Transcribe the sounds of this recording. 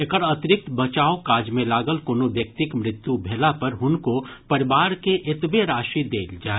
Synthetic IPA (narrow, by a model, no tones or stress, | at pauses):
ekəɾɐt̪ɪɾɪk̚t̪bɐt͡ʃaːokaːd͡ʒmẽlaːɡəlkonoʋjɐk̚t̪ɪkmɾɪt̪jubʱeːlapɐɾɦʊnkopɐɾɪʋaːɾkeʔɪt̪beɾaːʃid̪eːld͡ʒaːe